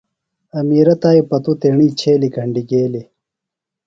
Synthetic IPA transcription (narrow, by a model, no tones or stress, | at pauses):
ɐmiːɾɐt̪aːipɐt̪ut̪eːɳiːt͡ɕʰeːlikɐɳɖiɡeːli